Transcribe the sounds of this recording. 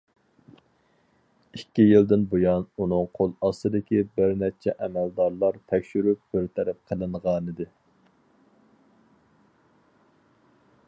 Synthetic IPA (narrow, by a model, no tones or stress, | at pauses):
ikʲːijilˠd̪ɪnbojɑnunɨŋqʰolˠɑsɨd̪ɪkʲibɪɾnɛt͡ʃʰɛʔɛmæld̪ɑɾlˠɑɾt̪ʰɛkʲʃyɾyp̚b̥ɪɾt̪ʰɛɾɛp̚qʰəlˠɨɴʁɑːnɨd̪ɪ